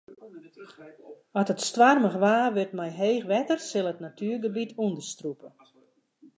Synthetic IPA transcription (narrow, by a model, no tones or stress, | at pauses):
ɔtətstʋarməxʋaːʋʏrtmɛjɦeːxʋɛtərsɪlˠətnatyːrɡəbitʰuəndəstrupə